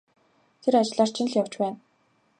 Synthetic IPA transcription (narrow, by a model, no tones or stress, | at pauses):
t̪ʰeɾat͡ɕɪɮaːr̥t͡ɕʰɪ̆nɮjaw̥t͡ɕpæːn